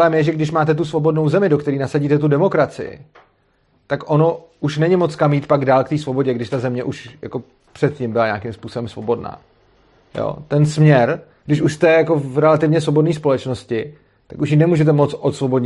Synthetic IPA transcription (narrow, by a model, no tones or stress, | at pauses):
lɛːmjɛʒɛɡdɪʃmaːt̪ɛt̪usvo̞bo̞dno̞wzɛmɪdo̞kt̪ɛɾiːnasaɟiːt̪ɛt̪̬udɛmo̞kɾat͡sɪ̰jɪ̰ | t̪akʔo̞no̞ | uʃnɛɲɪmo̞t͡skamjiːt̪paɡdaːlkt̪iːsvo̞bo̞ɟɛɡdɪʃt̪azɛmɲɛʔuʃja̰ko̞ | pr̥ɛt̪̚cɪmbɪlaɲaːkɪmspuːso̞bɛmsvo̞bo̞dna̰ː | jo̰ːt̪ɛnsmɲɛɾ | ɡ̥dɪʃuʃst̪ɛjako̞vɾɛlat̪ɪvɲɛsvo̞bo̞dniːspo̞lɛt͡ʃno̞scɪ | t̪akuʃ̬jɪnɛmuːʒɛt̪ɛmo̞tt͡sʔot̪svo̞bo̞dɲ